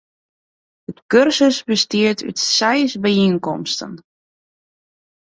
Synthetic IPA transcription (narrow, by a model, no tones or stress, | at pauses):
ətkørsəsbəstiəɹtʰy̰tsɛjsbəinkɔmstə̰n